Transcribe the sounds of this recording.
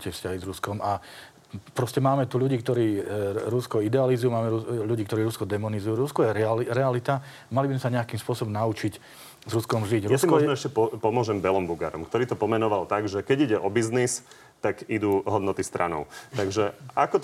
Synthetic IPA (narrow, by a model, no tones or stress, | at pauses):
cɪɛfscaɦizɾuskɔma | pɾɔscɛmaːmɛt̪uːʎuɟiːkt̪ɔɾiːɾuskɔid̪ɛalizujumaːmɛɾuʎuɟiːkt̪ɔɾiːɾuskɔd̪ɛmɔnizujuɾuskɔjɛɾiɾɛalit̪a | malibizmɛsaɲɛakiːmspʊɔsɔbɔmnaut͡ʃic | zɾuskɔmʒiɟɾuasimkɔɔʒnɔɛʃcɛpɔpɔmʊɔʒɛmbɛlɔmbuɡa̰ɾɔ̰mkt̪ɔɾiːt̪ɔpɔmɛnɔʋalˠt̪aɡʒɛkɛɟiɟɛʔɔbiznis | t̪aɡid̪uɦɔd̪nɔt̪ist̪ɾʔa̰nɔ̰ʊt̪aɡʒɛakɔ